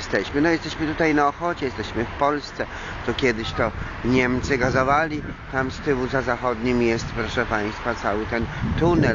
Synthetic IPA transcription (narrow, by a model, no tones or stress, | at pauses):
st̪ɛɕmɘnɔjɛst̪ɛɕmɘt̪ut̪ajnaɔxɔt͡ɕɛjɛst̪ɛɕmɘfpɔlst̪sɛ | t̪ɔkʲjɛd̪ɘɕt̪ɔ | ɲɛmt̪sɘɡazɔvalʲit̪amst̪ɘwuzazaxɔd̪ɲimjɛst̪pɾɔʂɛpaj̃st̪fat̪sawɘt̪ɛnt̪unɛ